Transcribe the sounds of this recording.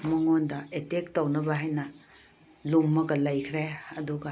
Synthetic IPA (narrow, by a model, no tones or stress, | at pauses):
mɐŋondɐetek̚tawnɐbɐɦajnɐ | lumːɐɡɐlɐjkʰɾeɐduɡɐ